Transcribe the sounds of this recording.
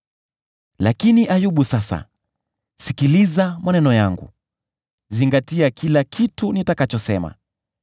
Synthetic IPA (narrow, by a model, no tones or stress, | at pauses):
lakiniʔajuɓusasa̰ | sikilizamanɛnɔjaŋɡṵ | ziŋɡatiakʰilakʰitunitakat͡ʃɔsɛma̰